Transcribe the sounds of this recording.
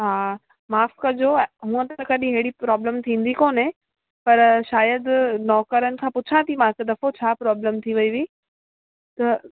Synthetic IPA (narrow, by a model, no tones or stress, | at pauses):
ɦaː | maːfkɐd͡ʑoɦũːə̃t̪ɐkɐɗĩɦeɦɪɽipɾɔːbləmt̪ʰĩːn̆d̪ikoːnẽ | pɐɾʃaːjəd̪nɔːkəɾənɪ̆kʰãːpʊt͡ɕʰãt̪ʰimãːked̪ɐfot͡ɕʰaːpɾɔːbləmt̪ʰiʋɐiʋiː | t̪ɐ